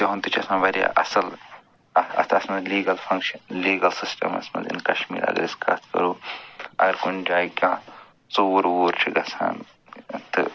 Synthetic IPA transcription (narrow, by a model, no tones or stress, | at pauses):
t̪jɐɦunt̪ɨt͡ʃʰiɐsãnʋɐɾja̰ʔɐsɐl | ɐɐ̰t̪ʰɐsmɐliːɡɐlfʰɐ̃ŋkʃɐnliːɡɐlsisʈɐ̰mɐ̰smɐ̰nzḭnkɐʃmḭːɾɐ̰ɡɐ̰ɾiskɐ̰t̪ʰkɐ̰ɾuːɐ̰ɡɐɾkund͡ʒaːikʲãː | t͡soːɾoːɾt͡ʃʰiɡɐsʰã̰ːn | t̪ɨ